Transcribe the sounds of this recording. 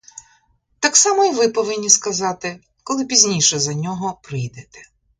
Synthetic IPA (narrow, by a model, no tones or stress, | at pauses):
t̪ɑksɑmɔiʋɪpɔʋɪnʲːiskɐzɑt̪ɪ | kɔlˠɪpʲizʲnʲijʃɛzɐnʲɔɦɔpɾɪjd̪et̪ɛ̥